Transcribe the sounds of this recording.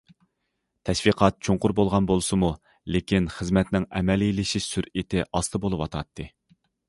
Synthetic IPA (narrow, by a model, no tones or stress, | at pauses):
t̪ʰɛʃwiqʰɑt̪̚t͡ʃʰoɴqʊɾbolˠʁɑnbolˠsɨmu | lekʲinχəzmɛt̪nɪŋɛmɛlilɪʃiʃsyɾit̪ʰɪʔɑst̪ʰɨbolˠɨwɑt̪ʰɑt̪ʰːɨ